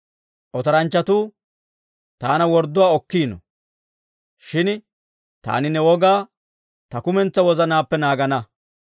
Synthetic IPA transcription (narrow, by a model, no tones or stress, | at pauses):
ʔɔt̪ɐɾɐnt͡ʃːɐt̪uː | t̪aːnɐwɔɾd̪ːʊwaːɔkːiːnɔ̰ | ʃɪn | t̪a̰ːnɪnɛwɔɡaː | t̪ɐkʊmɛnt͡sːɐwɔzɐnaːpːɛnaːɡɐnɐ